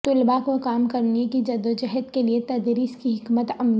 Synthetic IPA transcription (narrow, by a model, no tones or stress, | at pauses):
t̪ʊlbakokaːmkɐɾnekid͡ʒɐd̪od͡ʒɛɦət̪keliet̪ɐd̪ɾiːskiɦɪkmət̪ɐmn